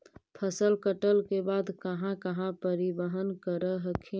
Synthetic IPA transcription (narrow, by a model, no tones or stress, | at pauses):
pʰəsəlkəʈəlkebaːd̪kəɦãkəɦãpəɾɪbəɦənkəɾəɦəkʰẽ